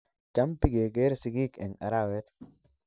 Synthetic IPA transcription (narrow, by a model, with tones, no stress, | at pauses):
t͡ʃa˦mpi˦ɡe˨ɡe˦ɾsi˨ɡi˦kɛ̰˨na̰˨ɾawe˦t̪